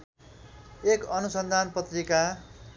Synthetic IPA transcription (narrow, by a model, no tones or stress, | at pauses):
ekʌnusʌnd̪ʱanpʌt̪rika